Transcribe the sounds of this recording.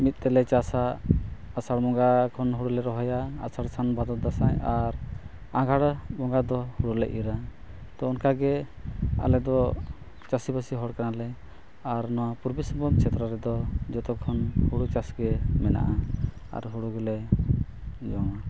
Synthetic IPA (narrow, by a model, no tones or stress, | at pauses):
mit̪̚ˀt̪ɛlɛt͡ʃasaː | saɽmɔŋɡakʰɔnɦuɽulɛɾɔɦɔjaasaɽsanbad̪ɔt̪̚d̪asajaɾ | ãɡʱaɽbɔŋɡad̪ɔhuɽulɛ̰ʔiɾa | t̪ɔɔnkaɡɛ | a̰lɛd̪ɔ | t͡ʃasibəsiɦɔɽkanalɛ | aɾnɔwapuɾbisɔmbɔmt͡ʃʰɛt̪ɾɔɾɛd̪ɔd͡ʒɔt̪ɔkʰɔnhuɽut͡ʃasɡɛmɛna̰ʔa | a̰ɾɦuɽuɡɛlɛ | d͡ʒɔŋa